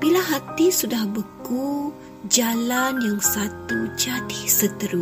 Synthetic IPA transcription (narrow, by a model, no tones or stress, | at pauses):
b̥ilaɦat̪isudahbəku | d͡ʒalanjaŋsat̪ud͡ʒat̪ihsət̪əɾu